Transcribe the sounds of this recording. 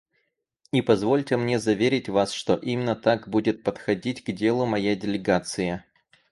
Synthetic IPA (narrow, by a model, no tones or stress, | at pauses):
ipɐzvo̞lʲtʲɪmnʲezɐvʲeɾʲɪtʲvasʂt̪oʔimʲɪnːət̪akbudʲɪt̪̚pət̪xɐdʲitʲɡdʲe̞lˠʊmɐjajdʲɪlʲɪɡat̪sɨjə